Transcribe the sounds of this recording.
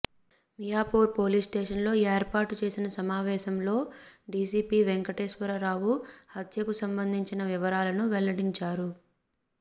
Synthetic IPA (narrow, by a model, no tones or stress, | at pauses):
mijaːpoːɾpo̞ːliːsʈeːʂɐnlo̞ːeːɾpaːɾʈut͡ʃe̞ːsinɐsɐmaːʋɛːʃɐmlo̞ːɖiːsiːpiːʋeŋkɐʈeːʃʋɐɾɐɾaːwuhɐt̪ʰjɐkusɐmbɐnd̪ʱiɲt͡ʃinɐʋiʋɐɾaːlɐnuʋɛlɐɽiɲt͡ʃaːɾu